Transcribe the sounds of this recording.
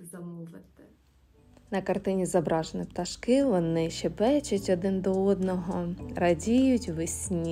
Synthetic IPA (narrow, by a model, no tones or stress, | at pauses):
zɐmɔʋɪt̪ | nɐkɐrt̪ɪnʲizɐbɾɑʒenɪpt̪ɐʃkɪʋɔnɪʃɛbɛt͡ʃɐtʲɔd̪ɪnd̪ɔɔd̪nɔɦɔrɐdʲijʊtʲʋɪsʲnʲi